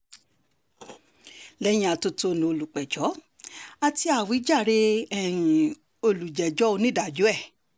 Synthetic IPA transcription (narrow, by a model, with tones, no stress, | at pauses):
lɛ˦j̃ĩ˧a˧to˧to˧nũ˨o˧˨lu˨k͡pɛ˨d͡ʒɔ˨˦ | a˧ti˦a˦˨wi˨˦d͡ʒa˦˨ɾe˧ɛ̃˦˨ | o˧lu˨d͡ʒɛ˨d͡ʒɔ˨˦o˧nĩ˦da˨d͡ʒo˨˦ɛ˦˨